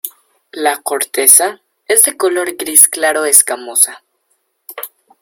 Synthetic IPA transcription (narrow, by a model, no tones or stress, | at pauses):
lakoɾt̪e̞sa | ezd̪e̞kolo̞ɾɡɾisklaɾoeskamosa